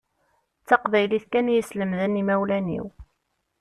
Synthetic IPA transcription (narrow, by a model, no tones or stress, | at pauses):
t͡sːɑqvæjliθkænjəsləmðənimæwlænḭw